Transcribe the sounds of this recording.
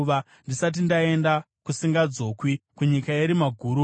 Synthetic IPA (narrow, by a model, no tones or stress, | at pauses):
ʋa | ndisat̬indae̞nda | kusiŋɡad͡zo̞ːkwikuɲikaeɾimaɡʱuːɾu